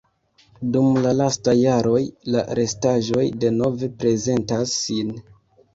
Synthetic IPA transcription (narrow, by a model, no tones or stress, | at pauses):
dumlalastajaɾo̞jla̰ɾe̞staʒo̞jde̞no̞ve̞pɾe̞ze̞ntasːin